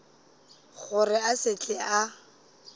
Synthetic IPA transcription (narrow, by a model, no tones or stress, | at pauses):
χʊrɪasɪt͡ɬʼɪa